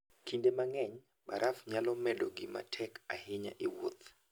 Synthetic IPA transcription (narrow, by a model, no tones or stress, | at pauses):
kindemaŋɛɲ | baɾʔafɲalɔmɛdoɡɪma̰tʰɛkahɪɲa̰ʔɪwo̰t̪